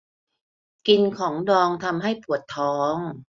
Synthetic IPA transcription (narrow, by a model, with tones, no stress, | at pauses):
ki˧nkʰɔː˩˦ŋdɔː˧ŋt̪ʰa˧mɦa˥˩jpʰu˨˩ət̪ʰːɔː˨˦˥ŋ